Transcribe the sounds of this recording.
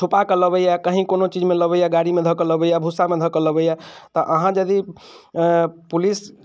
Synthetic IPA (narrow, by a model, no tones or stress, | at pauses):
t͡ʃʰupakələbəjakəɦĩkonot͡ʃid͡ʒmeləβəjaɡaɽimed̪ʱəkələbəjabʱusamed̪ʱəkələbəjat̪ɔʔəɦãd͡ʒəd̪i | pulis